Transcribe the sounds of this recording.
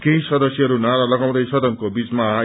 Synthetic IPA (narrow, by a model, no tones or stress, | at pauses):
keĩsʌd̪ʌsjʌɦʌɾunaɾʌlʌɡaw̃t̪ʌjsʌd̪ʌnkobit͡sma